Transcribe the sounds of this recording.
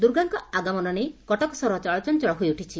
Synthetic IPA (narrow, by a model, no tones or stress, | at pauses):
d̪uɾɡaŋkɔaɡamɔnɔnekɔʈɔkɔsɔɾɔt͡ʃaɭɔt͡ʃɔnt͡ʃɔɭɔɦujuʈʰit͡ʃʰi